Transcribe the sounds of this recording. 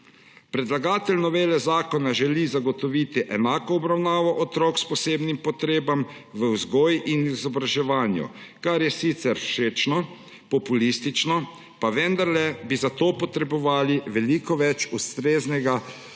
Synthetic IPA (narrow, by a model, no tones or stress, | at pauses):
pɾɛd̪laɡaːt̪ɛlnɔʋeːlɛzaːkɔnaʒɛlizaɡɔt̪ɔʋiːt̪iʔɛnaːkɔɔbɾawnaːʋɔʔɔt̪ɾɔːkspɔseːbnimpɔt̪ɾeːbam | ʋəwzɡɔːjʔinizɔbɾaʒɛʋaːnjṵkaɾjɛsit̪sɛɾʃeːt͡ʃnɔ | pɔpulist̪it͡ʃnɔ | paʋɛnd̪aɾlɛbizat̪oːpɔt̪ɾɛbɔʋaːliʋɛlikɔʋɛt͡ʃust̪ɾeːznɛɡa